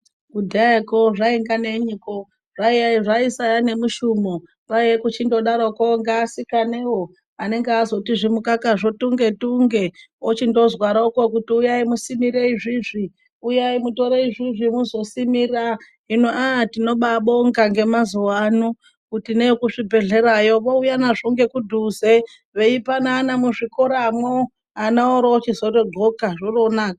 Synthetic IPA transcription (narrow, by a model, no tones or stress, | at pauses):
ɡudʱaekoʐaiŋɡaneɲiko | ʐaiaiʐaisajane̞muʃumo | ʋaiekut͡ʃindo̞ɗaɾokoŋɡaːsikanewo | ane̞ŋɡeazo̞tiʐimukakaʐo̞tuŋɡe̞tuŋɡe | ot͡ʃindo̞zwaɾauko̞kutiujaimusimiɾe̞iʐiʐi | ujaimuto̞ɾeiʐiʐimuzo̞simira | inoatino̞ɓaɓoŋɡaŋɡe̞mazuwanu | kutinekuʂibʱe̞ɮe̞ɾajoʋoujanaʐoŋɡe̞kudʱuze | ʋe̞ipanaːnamuʐikoɾamwo | anaoɾoːt͡ʃizotoɡʱokaʐoronaːka